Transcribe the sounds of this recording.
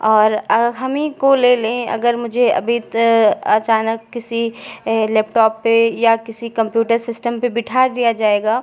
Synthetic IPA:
ɔːɾɐɦɐmĩkoleːlẽɐ̰ɡəɾmʊd͡ʒʱeɐ̰bʱit̪ɐt͡ʃaːnəkːɪsileːpʈɔːpːejakɪsikɐ̃mpjuːʈəɾsɪsʈəmpebɪʈʰaːɾd̪ijad͡ʒaːeːɡaː

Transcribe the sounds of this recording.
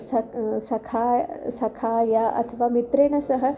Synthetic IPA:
sɐsɐkʰasɐkʰajaʔɐ̰t̪ʰəʋamit̪ɾeːɳɐsɐɦə

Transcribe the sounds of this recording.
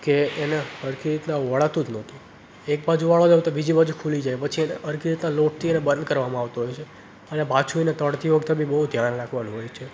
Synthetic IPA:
keːneəɾkiɾit̪nãʋəɭat̪ũd͡ʒnət̪ʰi | ek̚bad͡ʒuʋaɭod͡ʒawt̪obid͡ʒibad͡ʒukʰulid͡ʒajpət͡ʃʰieəɾkiɾit̪naloʈ̚t̪ʰienebə̃nd̪̚kəɾʋamãaʋt̪oɦojt͡ʃʰe | ənepat͡ʃʰuinet̪əɽt̪iʋəɡt̪abʱibəɦud̪ʱjanlaɡʰʱʋanũɦojt͡ʃʰe

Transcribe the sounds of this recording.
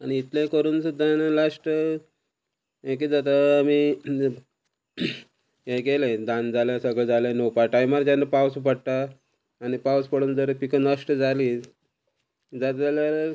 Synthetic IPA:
aniːt̪lẽkəɾuːnsud̪anlaʂʈə | ek̬id͡zat̪aami | ɦeɡelẽd̪and͡zalãsəɡɭd͡zalẽnopaʈajmaɾd͡ʑanːapawsupəɽt̪aː | nipawspəɽuːnd͡zəɾəpikənlaʂʈəd͡zali | d͡zat̪d͡zljaɾ

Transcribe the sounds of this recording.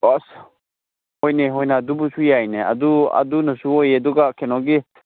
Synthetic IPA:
ɔs | hojneɦojnad̪ubusujajnea̰dua̰d̪unɐsuojed̪uɡakʰɛnɔɡi

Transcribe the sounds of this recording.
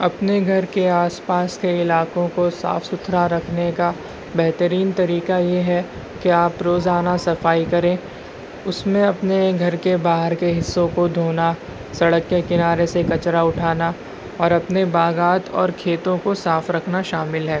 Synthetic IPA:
ɐpneɡʱɐɾkeaːspaːskeɪlaːkõkosa̰ːfsʊt̪ʰɾaɾɐkʰneka | bɛɦt̪əɾiːnt̪ɐɾiːkajeɦɛ | keaːpɾoːzaːnasɐfaːikɐɾẽː | ʊsmẽɐpneɡʱɐɾkebaːɦəɾkeɦɪsːõkod̪ʱoːna | sɐɽəkːekɪnaːɾesekɐt͡ʃɾaʊʈʰaːna | ɔːɾɐpnebaːɡaːt̪ʰɔ̰ːɾkʰeːt̪õkosaːfɾɐkʰnaʃaːmɪlɦɛː

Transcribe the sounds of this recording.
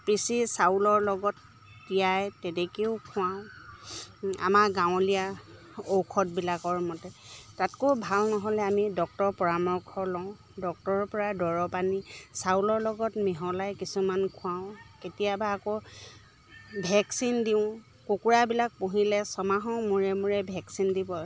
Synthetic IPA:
pɹisisawlɔɹlɔɡɔtː | ijajtetekiʊkʰʊ̃awʊ̃ | a̰maɡãwʊ̃lija | owkʰɔt̚bilakɔɹmɔtɛtatkobʱalnɔɦɔlɛamidɔk̚tɔɹpɔɹamɔɹkʰɔlɔʊ̃ | dɔk̚tɔɹɔpɔɹadɔɹɔpanisaulɔɹlɔɡɔtmiɦɔlajkisumankʰʊ̃ãʊ̃ketijabaːko | bʱɛksindiʊ̃ | kokuɹabilak̚puɦilɛsɔmaɦɔ̃muɹɛmuɹɛbʱɛksindibɔ

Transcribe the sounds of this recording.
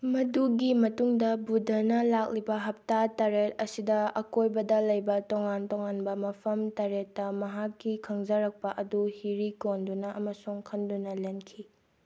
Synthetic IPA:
mɐduɡimɐtuŋdɐbudʱɐnɐlak̚libɐɦɐp̚tataɾet̚ɐsidɐɐkojbɐdɐlɐjbɐtoŋantoŋanbɐmɐpʰɐmtaɾetːɐmɐɦakːikʰɐŋzɐɾɐk̚pɐʔɐduhiɾikondunɐʔɐmɐsuŋkʰɐndunɐlenkʰi

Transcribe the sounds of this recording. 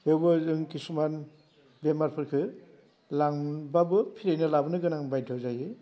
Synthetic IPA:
hewbɯzɯŋkisuman | bemaɾpʰɯɾkʰɯ | laŋbabɯpʰiɾajnɯlabɯnɯɡɯnaŋbajdʰʱɯwzajɯ

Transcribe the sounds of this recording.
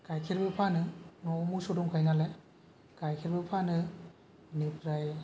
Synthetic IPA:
kajkʰiɾbɯpʰanɯnomusuɾumkʰajnale | kajkʰiɾbɯpʰanɯ | nipʰɾaj

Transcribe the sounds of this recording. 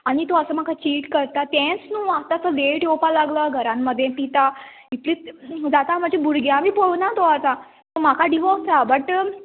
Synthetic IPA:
aɽ̃it̪oəsəm̤akʰat͡ɕiːʈkəɾt̪at̪ɛ̃snuːat̪asəleʈjopalaɡləɡʱəɾãmːəd̪ʱjẽpit̪a | it̪lid͡zat̪am̤ad͡ʑʱebuɾɡjãmiːpoɭnat̪oat̪a | t̪om̤akʰaɖiʋɔsabəʈ

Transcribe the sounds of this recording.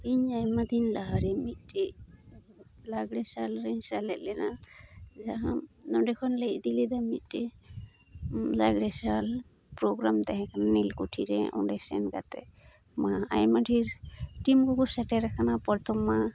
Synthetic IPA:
iɲajmad̪inlaɦaɾɛmit̪̚ʈe | laɡɽɛsalɾeɲsalɛʔlɛna | d͡ʒaɦanɔɖɛkʰɔnleʔd̪ilɛd̪amit̪̚ʈe | laɡɽɛsal | pɾoɡɾamt̪ɛɦɛ̃kʰanːilkuʈʰiɾɛ̰ʔɔ̰̃ɖɛsɛ̰nka̰t̪ɛ̰ | maa̰jmaʈʰiɾʈimkɔkusɛʈɛɾakʰanapɔɾt̪ʰɔmːa

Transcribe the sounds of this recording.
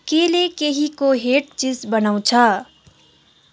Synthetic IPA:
kelekeɦikoɦeːʈ̚t͡ʃisbənəũt͡ʃʰɐ

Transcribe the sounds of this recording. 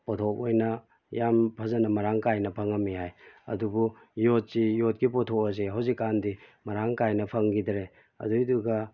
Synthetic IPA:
potʰokojnɐ | jampʰɐzɐnɐmɐɾaŋkajnɐpʰɐŋɐmːiɦajɐ̰dubu | jot̚sijot̚ɡipɔtʰokɐzeɦawzikːandimɐɾaŋkajnɐpʰɐŋɡidɾe | ɐ̰dujduɡɐ

